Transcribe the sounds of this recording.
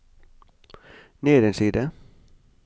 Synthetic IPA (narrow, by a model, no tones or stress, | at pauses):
neːd̪ɛnsiːd̪ə